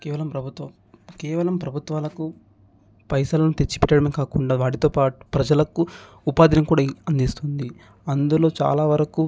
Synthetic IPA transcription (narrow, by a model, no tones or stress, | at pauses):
kɛːʋɐlɐmpɾɐbʱut̪ʋɐ | kɛːʋɐlɐmpɾɐbʱut̪ʋaːlɐku | pɐjsaːlɐnut̪et͡ʃːi̥pɛʈːɐɽɐmeːkaːkuɳɖaːʋaːʈ̬it̪oːpaːʈu̥pɾɐd͡ʒɐlɐku | upaːd̪ʱinɐmkuːɽaːɐnd̪ist̪und̪i | ɐnd̪ulo̞ːt͡ʃa̰ːlaːʋɐɾɐku